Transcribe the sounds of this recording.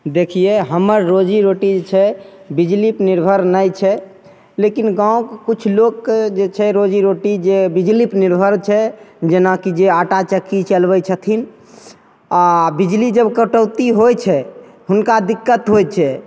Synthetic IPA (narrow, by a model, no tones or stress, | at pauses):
d̪ekʰijeɦəməɾːod͡ʒiɾoʈid͡ʒet͡ʃʰɛ | bid͡ʒlipniɾbʱəɾnəjt͡ʃʰɛ | lekinɡãũkkut͡ʃʰlokːd͡ʒet͡ʃʰɛɾod͡ʒiɾoʈid͡ʒebid͡ʒlipniɾbʱəɾt͡ʃʰɛd͡ʒenakid͡ʒeaʈat͡ʃəkːit͡ʃəlbɛt͡ʃʰət̪ʰin | abid͡ʒlid͡ʒəbkəʈəʊt̪iɦojt͡ʃʰɛ | ɦunkad̪ikːət̪ɦojt͡ʃʰɛ